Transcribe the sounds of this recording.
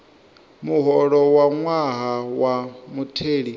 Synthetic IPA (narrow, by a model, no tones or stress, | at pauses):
muɦɔɺɔwaŋwaɦawamutʰeːɺi